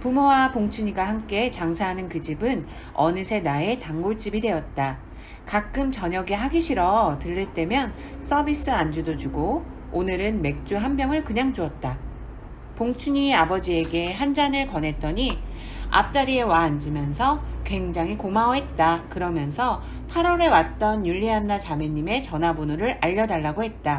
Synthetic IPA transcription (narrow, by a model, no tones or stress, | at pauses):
pumowapoŋt͡ɕʰuɲiɡwaɦamk͈e̞t͡ɕaŋsʰaɦanɯnkɯd͡ʑibɯn | ʌnɯsʰe̞nae̞taŋɡoɭt͡ɕ͈ibide̞ʌt̚t͈a | kak͈ɯmt͡ɕʌɲʌɡiɦaɡiɕʰiɾʌtɯɭːet͈e̞mjʌn | s͈ʰʌbis͈ɯand͡ʑudod͡ʑuɡo | onɯɾɯnme̞k̚t͡ɕ͈uɦambjʌŋɯɭkɯɲaŋd͡ʑuʌt̚t͈a | poŋt͡ɕʰuɲiabʌd͡ʑie̞ɡe̞ɦand͡ʑanɯɭpʌnɦe̞t̚t͈ʌɲi | a̰p̚t͡ɕ͈aɾie̞waːnd͡ʑimjʌnsʰʌkwe̞ŋd͡ʑaŋɦikomaʌɦe̞t̚t͈akɯɾʌmjʌnsʰʌ | pʰaɾʌɾe̞wat̚t͈ʌnjuʎːianːat͡ɕameɲːime̞t͡ɕʌnɦabonuɾɯɾaʎːʌdaɭːaɡoɦe̞t̚t͈a